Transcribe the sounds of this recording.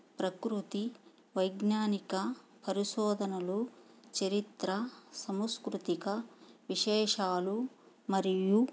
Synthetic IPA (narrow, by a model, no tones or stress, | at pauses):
pɾɐkɾut̪i | ʋɐjɡnaːnikɐ | pɐɾiʃɔːd̪ʱɐnɐlu | t͡ʃɐɾit̪ɾɐsɐmskɾut̪ikɐʋiʃɛːʃaːlu | mɐɾiju